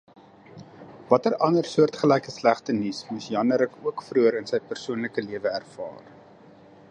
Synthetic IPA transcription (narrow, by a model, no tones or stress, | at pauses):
vɐtərʔɐnərsuərtχəlɛjkəslæχtənismusjɐnəɾəkuəkfruəɾənsɛjpərsuənləkəliəvəærfɑ̰ːr